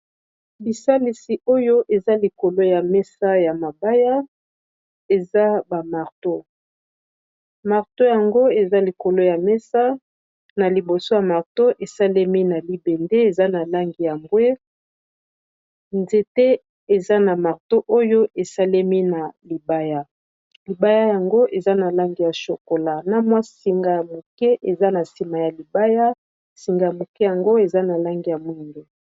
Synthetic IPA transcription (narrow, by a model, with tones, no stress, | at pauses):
bi˨sa˦li˨si˨o˦jo˦ʔe˨za˦li˨ko˨lo˦ja˨mɛ˦sa˦ja˨ma˨ba˦ja˦ | e˨za˦ba˨ma˨ʁto˦ | ma˨ʁto˦ja˨ŋɡo˦e˨za˦li˨ko˨lo˦ja˨mɛ˦sa˦ | na˨li˨bo˨so˦ja˨ma˨ʁto˦ʔe˨sa˦le˦mi˦na˨li˦bɛ˨nde˦e˨za˦na˨la˦ŋɡi˨ja˨ŋɡwe˦ | nze˦tɛ˦ | e˨za˦na˨ma˨ʁto˦ʔo˦jo˦e˨sa˦le˦mi˦na˨li˨ba˦ja˦ | li˨ba˦ja˦ja˨ŋɡo˦ʔe˨za˦na˨la˦ŋɡi˦˨ja˨ʃo˨ko˨la˦na˦mwa˦si˨ŋɡa˨ja˨mo˨kɛ˦ʔe˨za˦na˨si˨ma˨ja˨li˨ba˦ja˦ | si˨ŋɡa˨ja˨mo˨kɛ˦ja˨ŋɡo˦e˨za˦na˨la˦ŋɡi˦ja˨mwi˦ŋɡe˦